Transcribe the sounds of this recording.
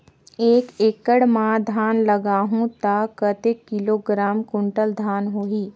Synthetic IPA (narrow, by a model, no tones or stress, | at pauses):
eːkeːkəɽmãd̪ʱaːnləɡaːɦũt̪akət̪ekːɪloːɡɾaːmkʊ̃ɳʈəld̪ʱaːnɦoːɦiː